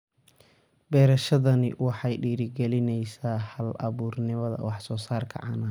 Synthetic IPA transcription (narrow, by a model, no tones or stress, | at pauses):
bɛːɾɐʃɐðɐnɪ̰wɑħɑjɖiːɾɪɡɛlɪnɛjsaːhɐlʔɐ̰βuːrnɪmɐðɐ̰wɑħsɔːsaːrkʰɐ̰ʕɑ̰ːna